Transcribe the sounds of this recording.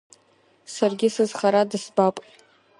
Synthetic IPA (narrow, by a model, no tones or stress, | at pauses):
sarɡʲɪsɨzχaɾadɨsbapʼ